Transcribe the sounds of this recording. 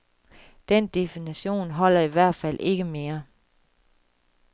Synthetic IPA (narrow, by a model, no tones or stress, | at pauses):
d̥end̥e̝finiɕo̝̰ːnɦɒ̽l̰ɐiʋæɐ̰d̥fælʔe̝ɡ̥əme̝ːɐ